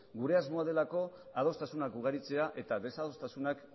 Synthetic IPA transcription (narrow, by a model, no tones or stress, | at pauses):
ɡuɾe̞azmo̞að̞e̞lako̞að̞o̞st̪asunakuɣ̞aɾit͡se̞aʔe̞t̪aðe̞sað̞o̞st̪asunak